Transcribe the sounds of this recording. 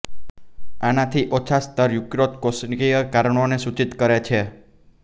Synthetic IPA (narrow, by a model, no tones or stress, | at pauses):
anat̪ʰiʔot͡ʃʰast̪əɾjukɾot̪kosnkijəkaɾəɳ̃onesut͡ʃit̪kəɾet͡ʃʰe